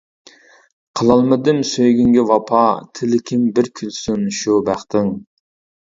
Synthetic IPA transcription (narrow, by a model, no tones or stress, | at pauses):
qʰəlˠɑlˠmɨd̪ɪmsøjɡʲyŋɡʲivɑpʰɑt̪ʰɪlɪkʲʰɪmbɪɾkʲʰylsynʃubæχt̪ʰɪŋ